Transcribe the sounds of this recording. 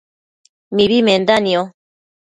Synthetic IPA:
miβimend̪anio

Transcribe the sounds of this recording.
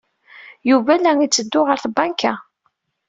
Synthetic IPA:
juvælːæŋit͡sːəd̪ːʊʁəɾθbɑnkæ

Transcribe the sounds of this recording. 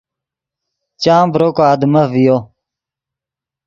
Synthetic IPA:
t͡ɕãːmbɾokaːd̪məvijo

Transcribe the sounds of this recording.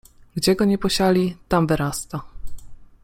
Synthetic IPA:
ɡd͡ʑɛɡɔɲɛpɔɕalʲit̪amvɘɾast̪a

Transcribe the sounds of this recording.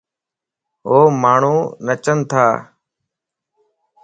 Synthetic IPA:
ɦoːmaːɳ̤uːnət͡ʃənt̪ʰaː

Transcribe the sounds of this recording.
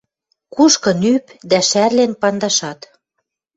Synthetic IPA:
kuʃkɤ̆nypd̪æʃærlenpɑnd̪ɑʃɑt̪

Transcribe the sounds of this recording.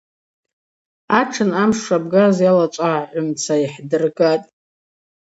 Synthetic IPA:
aʈ͡ʂʰɨnamʂʂabɡazjalat͡ʃʷʼaʕʕʷʊmt͡sʰaiħdɨrɡatʼ

